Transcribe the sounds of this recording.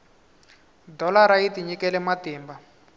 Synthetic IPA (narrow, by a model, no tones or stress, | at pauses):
dɔlaɾaitiɲikɛlɛmatiːmba